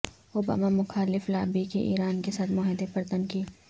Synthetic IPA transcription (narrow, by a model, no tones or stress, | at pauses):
oːba̰ːmamʊxaːlɪflaːbikiʔḭːɾaːnkesaːt̪mɔːɦɪd̪epɐɾt̪ənkiː